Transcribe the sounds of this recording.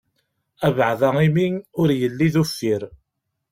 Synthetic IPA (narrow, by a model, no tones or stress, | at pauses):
ævʕðæiminʊɾjəlːiðufːiɾ